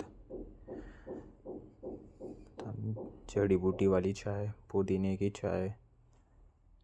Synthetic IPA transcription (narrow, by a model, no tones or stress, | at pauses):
t̪amd͡ʒəɽibuʈiʋaːlit͡ʃʰaɦepod̪inekit͡ʃʰa̰ːɦe